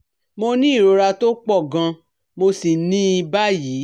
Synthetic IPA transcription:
mo˧nĩ˦i˦˨ɾo˧˦ɾa˧to˦k͡pɔ˦˨ɡã˧ | mo˧si˨nĩ˦i˧˦ba˦jiː˨˦

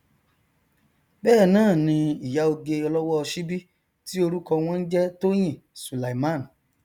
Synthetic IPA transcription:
bɛː˦˨nãː˦˨nĩ˧i˨ja˨˦o˧ɡe˧ɔ˧lɔ˦wɔ˦ɔ˧ʃi˦bi˦ | ti˦o˧ɾu˦kɔ˧w̃ɔ̃˦n̩˦d͡ʒɛ˦to˦j̃ĩ˦˨ | su˨la˨mã˦˨n˨

